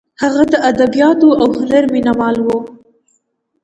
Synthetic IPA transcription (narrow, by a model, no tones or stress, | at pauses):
haɣad̪əʔad̪abijɑt̪oʔawhalaɾminawɑlwo